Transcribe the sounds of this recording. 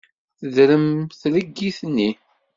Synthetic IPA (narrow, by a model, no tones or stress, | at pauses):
θəðɾəmθɾəɡːiθnːi